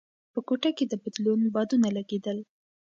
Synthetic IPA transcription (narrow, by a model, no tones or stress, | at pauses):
pəkoʈaked̪əbad̪lunbɑd̪unalaɡed̪əl